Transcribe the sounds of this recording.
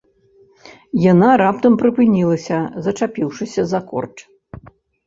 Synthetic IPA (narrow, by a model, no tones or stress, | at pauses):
janaɾap̚t̪ɐmpɾɨpɨnʲilˠɐsʲɐzɐt͡ʂapʲiwʂɨsʲɐzakɔ̰rt͡ʂ